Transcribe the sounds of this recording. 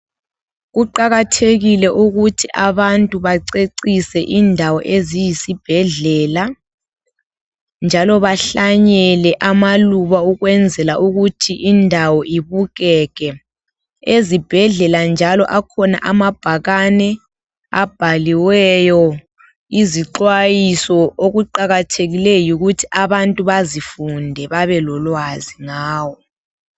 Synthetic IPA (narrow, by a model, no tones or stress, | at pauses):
ɣuǃaɣatʰeɣilɛʔuɣutʰiʔaβantʼuβaǀeǀisɛʔindʱawɔʔezijisib̥ʱɛɮɛːla | nd͡ʒʱalɔβaɬaɲɛlɛʔamaluβauɣwɛnd͡zʱɛlaʔuɣutʰiʔindʱawɔʔiβuɣɛːɣɛ | ezib̥ʱɛɮɛland͡ʒʱalɔʔakʰɔna̰ʔamab̥ʱaɣanɛ | a̰b̥ʱaliwɛjɔ | iziǁwajisɔoɣuǃaɣatʰeɣilɛjuɣutʰiʔaβantʼuβazifundʱɛβaβɛlɔlwaziŋaːwɔ